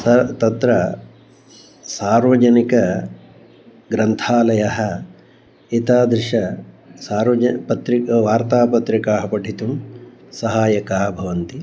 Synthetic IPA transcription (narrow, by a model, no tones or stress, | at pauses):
ɐt̪ɐt̪ɾɐ | saːɾʋɐd͡ʒɐnikɐ | ɡɾɐnt̪ʰaːlɐjɐɦɐ | it̪aːd̪ɾɪʂɐ | saːɾʋɐpɐt̪ɾikʋaːɾt̪aːpɐt̪ɾikaːɦɐpɐɖʱit̪umsɐɦaːjɐkaːbʱɐʋɐnt̪i